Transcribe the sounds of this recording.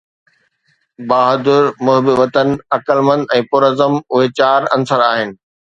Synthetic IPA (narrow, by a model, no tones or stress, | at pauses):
baːɦəd̪ʊɾmʊɦbɪʋɐt̪ənɪ̆ɐkəlmə̃nd̪ɛ̃ːpʊɾəzəmʊɦet͡ɕaːɾɐ̃nsəɾaːɦɪnɪ̆